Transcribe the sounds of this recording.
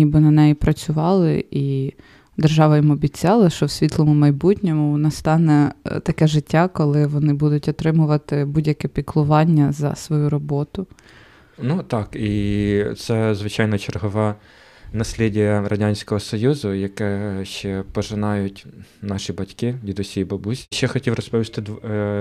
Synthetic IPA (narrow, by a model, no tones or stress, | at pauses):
nʲibɪnɐnɛjipɾɐt͡sʲʊʋɑlˠɪ̰i | d̪erʒɑʋɐjimɔbʲit͡sʲɑlˠɐʃt͡ʃɔwsʲʋʲit̪lˠɔmʊmɐjbutʲnʲɔmʊʋnɐst̪ɑnɛt̪ɐkɛʒɪtʲːakɔlˠɪʋɔnɪbud̪ʊtʲɔt̪ɾɪmʊʋɐt̪ɪbudʲjɐkɛpʲiklˠʊʋɑnʲːɐzɐ̰sʋɔjuɾɔbɔt̪ʊ | nut̪ɑkit̪sɛzʋɪt͡ʃɑjnɐt͡ʃerɦɔʋɛ | nɐsʲlʲidʲijɐrɐdʲanʲsʲkɔɦɔsɔjuzʊjɐkɛʃt͡ʃɛpɔʒɪnɑjʊtʲnɑʃibɐtʲkɪdʲid̪ɔsʲijibɐbusʲʃt͡ʃɛxɔtʲiwrɔspɔʋʲist̪ɪd̪